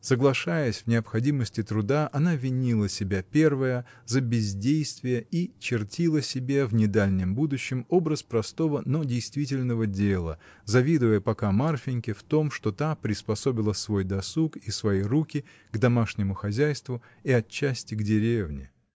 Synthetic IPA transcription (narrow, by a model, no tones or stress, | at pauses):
səɡlˠɐʂajəsʲvnʲɪɐpxɐdʲiməsʲtʲɪt̪ɾʊd̪aʔɐnavʲɪnʲilˠəsʲɪbʲapʲe̞rvəjəzəbʲɪzʲdʲejst̪vʲɪjəit͡ɕɪrtʲʰilˠəsʲɪbʲevnʲɪd̪alʲnʲɪmbud̪ʊɕːɪmo̞bɾəspɾɐst̪o̞vəno̞dʲɪjst̪vʲit̬ʲɪlʲnəvədʲelˠə̰ | zɐvʲid̪ɨvəjəpɐkamarfʲɪnʲkʲɪft̪o̞mʂt̪o̞t̪apɾʲɪspɐso̞bʲɪlˠəsvo̞jd̪ɐsukisvɐjijrukʲɪ | ɡd̪ɐmaʂnʲɪmʊxɐzʲæjst̪vʊ | iɐt͡ɕːæsʲtʲɪɡdʲɪɾʲevnʲɪ̰